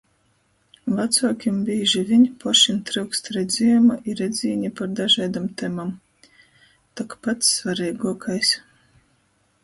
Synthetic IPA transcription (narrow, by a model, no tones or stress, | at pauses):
vat̪suɔkʲimbʲiːʒivʲiɲpɔʃint̪ɾɨwkst̪ɾɛd̪zʲimaʔiɾɛd̪zʲiːɲʲipaɾd̪aʒaːd̪amt̪ɛmam | t̪ɔkpat̪sːvaɾɛjɡuɔkʰajs